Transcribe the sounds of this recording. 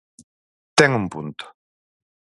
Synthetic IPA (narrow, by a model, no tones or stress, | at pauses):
t̪ɛŋumpṵnt̪ʊ̥